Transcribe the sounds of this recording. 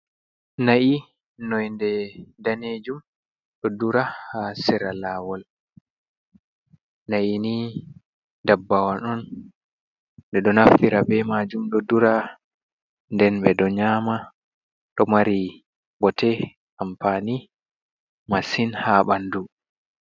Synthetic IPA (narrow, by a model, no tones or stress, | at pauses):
naʔi | nɔjndɛdaned͡ʒum | ɗɔduɾahasɛɾalawɔl | naʔini | dabːawanɔn | ɗɛɗɔnafiɾabɛmad͡ʒumɗɔduɾa | ndɛnbɛɗɔɲaːma | ɗɔmaɾi | bɔtɛ | ampani | masinhaɓandu